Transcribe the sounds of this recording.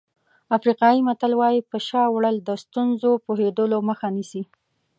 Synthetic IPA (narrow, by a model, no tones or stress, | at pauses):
afɾiqɑjimat̪alwɑjipəʃɑwɽəld̪əst̪unzopoɦed̪əloməxanisi